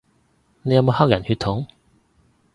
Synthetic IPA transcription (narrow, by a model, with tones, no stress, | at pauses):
ne˨˧jɐ˧˥mo˧haː˥k̚jɐ˨˩nhyː˧t̪ʰːʊ˨˥ŋ